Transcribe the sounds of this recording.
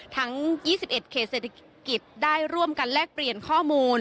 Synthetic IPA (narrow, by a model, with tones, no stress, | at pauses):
t̪ʰa˦˥ŋjiː˥˩si˨˩p̚ʔe˨˩t̪̚kʰeː˨˩t̪̚se˨˩t̪ʰa˧ | ki˨˩t̪̚daː˥˩jɾu˥˩əmka˧nlɛː˥˩k̚pli˨˩ənkʰɔː˥˩muː˧n